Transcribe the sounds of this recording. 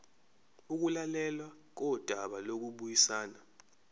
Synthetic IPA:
uk̬ulalɛlwak̬ɔd̥ʱaɓalok̬uɓujisaːna

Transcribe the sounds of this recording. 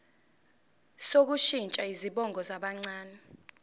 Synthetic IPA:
sok̬uʃint͡ʃʼaiziɓɔŋʱɔzaɓaŋ͡ǀaːnɛ

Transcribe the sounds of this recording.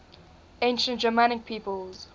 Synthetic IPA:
ẽnʃə̃ntd͡ʒəmanɪk̚pʰiːpəlˠz̥

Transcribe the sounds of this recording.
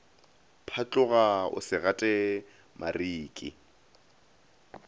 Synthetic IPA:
pʰat͡ɬʼʊɣaʊ̰sɪɣatʼɛ | mʔa̰riːkʼɪ̰

